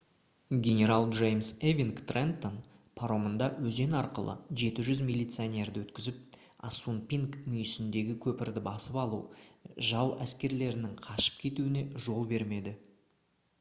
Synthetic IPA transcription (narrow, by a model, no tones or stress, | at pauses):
ɡʲe̞nʲe̞ɾalˠʒejmsevʲiŋkt̪rent̪on | pʰaɾo̞mənd̪ɑwɵzd̪e̞nɑɾqə̰lˠə̰ʒe̞t̪ɪʒʏzmʲilʲijt̪sɨanʲe̞ɾd̪ɪwɵt̪kʲɪzɪp̚ | a̰sunpʲiŋkmʏjɪsɪnd̪e̞ɡʲɪkʲʰɵpɪɾd̪ɪbɑsəpɑlˠuʒɑwæ̰skʲe̞ɾle̞ɾɪnɪŋqʰɑʃə̥p̚kʲʰe̞t̪uɪne̞ʒo̞lˠbe̞ɾme̞d̪ɪ